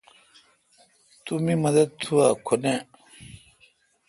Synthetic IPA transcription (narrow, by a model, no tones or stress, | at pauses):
t̪umimɐd̪ɐd̪̚t̪ʰuakʰone